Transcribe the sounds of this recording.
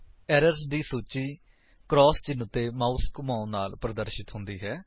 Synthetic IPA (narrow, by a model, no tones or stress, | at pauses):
ɛːɾəɾsd̪iːsuːt͡ʃiː | kɾɔːst͡ʃɪnːət̪eːmaːskmãːnaːlpɾəd̪əɾʃɪt̪ɦʊ̃nd̪iːɦɛː